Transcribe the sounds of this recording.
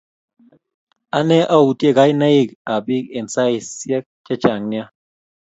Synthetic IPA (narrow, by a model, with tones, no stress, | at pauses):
a˦nɛ˦ʔa˦u˨tje˦˨ka˨˦jna˦i˦˨ka˨bi˦ke˨nsa˦i˨sjɛ˦k̚t͡ʃa˦t͡ʃa˨ŋnja˦